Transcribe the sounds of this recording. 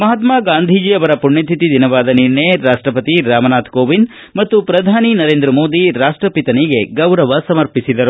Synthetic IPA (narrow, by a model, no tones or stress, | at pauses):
mɐɦaːt̪maːɡaːnd̪ʱid͡ʒiɐʋɐɾɐpuɳːɐt̪ʰit̪id̪ʱinɐʋaːd̪ɐniɾɳeɾaːʂʈɾɐpɐt̪iɾaːmɐnaːt̪ʰkoːʋin | mɐt̪ːupɾɐd̪ʱaːninɐɾeːnd̪ɾɐmoːd̪iɾaːʂʈɾɐpit̪ɐniɡeɡɐwɾɐʋɐsɐmɐɾpisid̪ɐɾu